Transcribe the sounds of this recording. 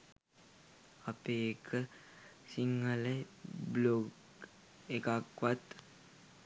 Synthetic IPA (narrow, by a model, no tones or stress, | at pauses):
apeːkʰə | siŋːələjbloɡ | ekakʋat̪